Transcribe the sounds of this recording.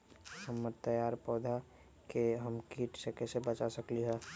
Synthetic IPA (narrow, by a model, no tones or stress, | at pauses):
həmːəɾt̪əjaːɾpɔːd̪ʱa | keɦəmkiʈsekɛsebət͡ʃasəkliɦɛː